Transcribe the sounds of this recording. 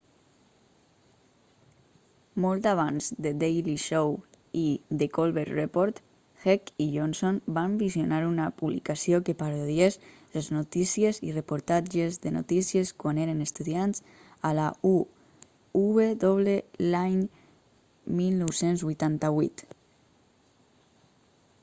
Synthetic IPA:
mɔlˠt̪aβ̞anzd̪ed̪ejliʃow | iðekolβeɾrepoɾt̪ | xɛkiʎonsonbambizjonaɾunapuβlḭkasiokepaɾoðiez | leznut̪isiezirepuɾt̪ad͡ʒezðeno̰t̪isieskwaneɾənest̪uðianz̥ | alau | uβeðoβlelaɲ | milnɔwsenzβujt̪ant̪aβwit̪

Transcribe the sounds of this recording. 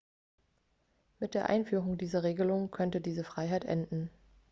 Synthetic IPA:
mɪt̚d̥eːɐʔa̰ɪnfyːʁʊŋdiːzɐʁ̞eːɡəlʊŋkʰœntədiːzəfʁ̥aɪɦaɪtʔɛ̰ndn̩

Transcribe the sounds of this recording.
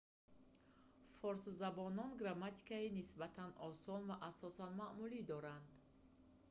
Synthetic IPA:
fɔɾszabɔnɔnɡɾamat̪ʰi̥kainisbat̪ʰanʔɔsɔnvaʔasɔsanmaʔmulid̪ɔɾand̪

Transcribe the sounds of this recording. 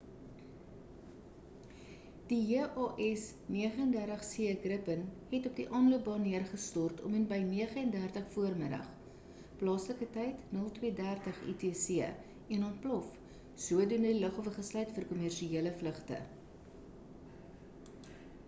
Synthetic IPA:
d̥iɦiʔɑːʔɛs | niəχəəndærtəχsiːəɡrəpənhɛtɔp̚diʔɑːnluəp̚bɑniərχəstɔrtʰɔ̰mənbəjniəχəɛndærtəχfuərmədə̰χ | plɑːsləkətɛjtnəlˠtwiədærtəχḭteːsiə | ɛnɔnt̚plɔf | suədunədiləχɔvəχəslœɥtfərkɔmærʃieələfləχtə̰

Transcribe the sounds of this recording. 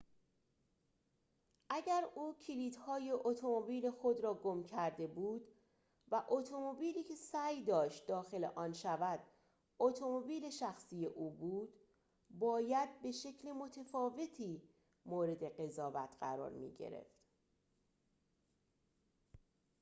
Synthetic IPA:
ʔæɟæɾuːcʰiliːd̪hɒːje̞ʔot̪ʰomobiːlexo̞d̪ɾɒːɡo̞mcʰæɾd̪e̞buːd̪̥ | væʔot̪ʰo̞mo̞biːliːkʰe̞sæːjd̪ɒːʃt̪̚d̪ɒːxe̞le̞̰ʔɒːnʃævæd̪̥ | ot̪ʰo̞mobiːle̞ʃæxsiːje̞ʔuːbuːd̪̥ | bɒːjæd̪̚be̞ʃe̞cʰlemo̞t̪ʰefɒːve̞t̪ʰiː | moːɾe̞d̪e̞ɢe̞zɒːvæt̪ʰɢ̥æ̰ɾɒ̰ːɾmḭːɟḛɾe̞̰ft̪

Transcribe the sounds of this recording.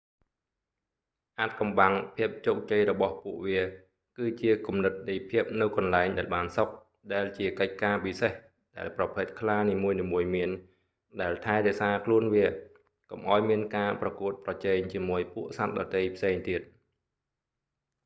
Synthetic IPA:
ʔaːt̪̚kɑmɓaŋpʰiəp̚t͡ɕoːk̚t͡ɕəjrɔɓɑhpuəʔʋiə | kɨːt͡ɕiəkumnɨt̪̚ɗijpʰiəp̚nɨwkɑnlaɛŋɗaɛlɓaːnsok̚ | ɗaɛlt͡ɕiəkəc̚kaːpiseh | ɗaɛlprɑpʰɨt̪̚kʰlaːniːmuəjniːmuəjmiən | ɗaɛlt̪ʰaɛɾɛ̆əʔsaːkʰluənʋiə | komʔa̰ɔjmiənkaːprɑkuət̪̚prɑt͡ɕɛːŋt͡ɕiəmuəjpuəʔsat̪̚ɗɑt̪əjpʰseːŋt̪iət̪̚

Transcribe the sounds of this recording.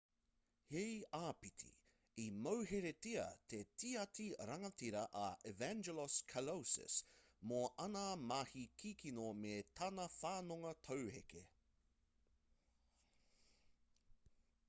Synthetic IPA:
hejaːpitʰḭ | imɐwɦeɾetiɐ̰t̪ʰetiɐtiɾɐŋɐtiɾɐʔɐevænd͡ʒɛloskʰalowsɪ̰smoʔɐnamahikʰikʰinometʰɐnɐfaːnoŋɐt̪ʰɐwhekḛ

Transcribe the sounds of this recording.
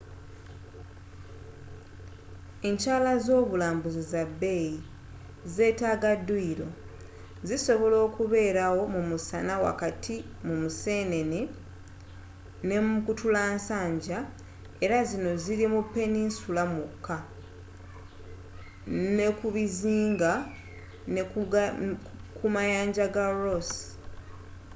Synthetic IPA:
e̞ɲcaːlazo̞ːβulaːmbuzizabːe̞ji | ze̞ːtaːɡadːuiɾo̞ | ziso̞βo̞lo̞ːkuβe̞ːɾawo̞mumusanawa̰katʰi | mumuse̞ːne̞ne | ne̞mkutulaːnsaːɲɟa | e̞ɾazino̞ziɾimupːe̞ninsulamukʰːa | ne̞kuβiziːŋɡa | n | kumajaːɲɟaɡaɾos

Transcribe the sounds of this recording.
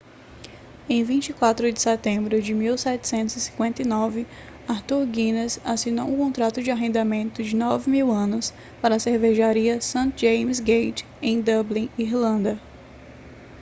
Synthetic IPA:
ẽj̃vĩt͡ʃikwat̪ɾʊd͡ʒɪsɛt̪ẽmbɾʊd͡ʒɪmiwsɛt͡ʃɪ̥sẽnt̪ʊzɪsĩkwẽnt̪ɐijnɔvɪ | aɾt̪uɾɡĩnɐsasino̰wʊkõnt̪ɾat̪ʊd͡ʒɪaɦẽnd̪amẽnt̪ʊd͡ʒɪnɔvɪmiwɐ̃nʊs | paɾɐːseɾveʒaɾiɐsɐ̃t̪d͡ʒẽjms̬ɡejt͡ʃ | ẽj̃d̪ɐblĩiɾlɐ̃nd̪ɐ

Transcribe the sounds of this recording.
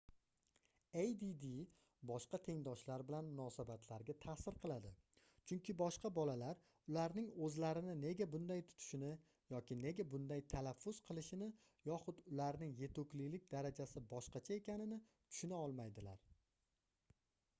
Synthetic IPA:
ejd̪id̪i | bɒʃqɑt̪ʰe̞ŋd̪ɒʃlaɾbɪlanmʊnɒsabat̪ʰlaɾɡʲat̪ʰasɪɾqʰɨlˠad̪ɪ | t͡ʃʰʊŋkʲʰɪbɒʃqɑbɒlalaɾ | ʊlaɾnɪŋɵzlaɾɪnɪne̞ɡʲabʊnd̪ajt̪ʰʊ̥t̪ʰʊ̥ʃɪnɪ | jɒkʲɪne̞ɡʲabʊnd̪ajt̪ʰalafːʊz̥qʰɨlˠɪʃɪnɪ | jɒχʊd̪ʊlaɾnɪŋje̞t̪ʊkʲlilɪk̚ʲd̪aɾad͡ʒasɪbɒʃqɑt͡ʃʰae̞kʲanɪnɪt̪ʰʊ̥ʃʊnaɒlˠmajd̪ɪla̰ɾ

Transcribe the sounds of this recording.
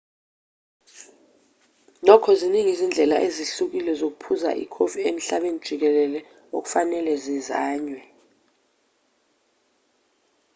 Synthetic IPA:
nɔkʰɔziniŋizind͡ɮʱɛla̰ʔeziɬuk̬ilɛzok̬upʰuza̰ʔḭkʰofiem̩ɬaɓenid̥ʒ̥ʱik̬ɛlɛlɛ | ok̬u̥fanɛlɛzizaːɲwɛ

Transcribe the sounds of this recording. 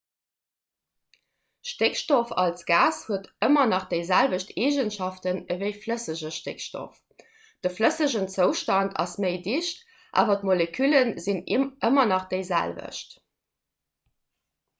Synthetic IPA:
ʃtekʃtofɑlsɡ̥aːshuətəmɐnɑχd̥eɪzælvəɕtʰeːʒənʃɑftənəvəɪfləsəʑəʃtekʃto̰f | d̥əfləsəʑənt͡səʊʃtɑntʰɑ̰sməɪdiʃt | ʔa̰ːvɐtmolekʰylənziniʔəmɐnɑχd̥eɪzæ̰lvə̰ʃt

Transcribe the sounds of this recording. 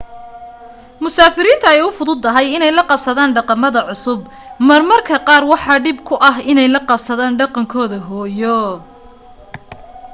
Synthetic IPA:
mʊsaːfɪɾiːnt̪ʰɐɛjʊfʊðʊd̪ːɐɦɛjɪnɛjlɐqɑbsɐðaːnɖɑqɑmɐðɐʕʊsʊb | mɐrmɐrkʰɐqɑːrwɑħɑːɖɪbkʰʊʔɐɦɪnɛjlɐqɑbsɐðaːnɖɑqɑŋkʰɔːðɐɦɔːjɔ

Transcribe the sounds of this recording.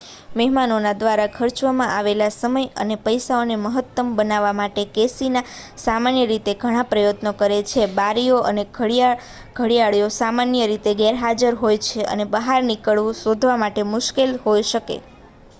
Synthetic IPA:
mɛɦmanonad̪ʋaɾakʰəɾt͡ʃʋamãʔaʋelasəməjə̰nepəjsaoneməɦət̪ːəmbənaʋamaʈekesinasamanjəɾit̪eɡʱəɽ̃ãpɾəjət̪nokəɾet͡ʃʰebaɾioʔə̰ne | ɡʱəɽijaɭijosamanjəɾit̪eɡɛɾɦad͡ʒəɾɦojt͡ʃʰeʔə̰nebəɦaɾnikəɭʋũsod̪ʱʋamaʈemʊʃkelɦojʃəkḛ

